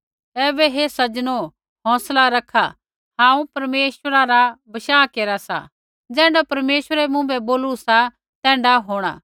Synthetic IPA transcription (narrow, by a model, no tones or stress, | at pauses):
ɛːbɛɦesɐd͡ʒno | ɦɔ̃ːslaɾɐkʰa | hãːũpɐɾmeːʃəɾaɾabɐʃaːkeːɾasa̰ | d͡zɛ̃ːɳɖapɐɾmeːʃʋəɾɛmũbɛboːlusa | t̪ɛ̃ːɳɖaɦoːɽ̃a̰ː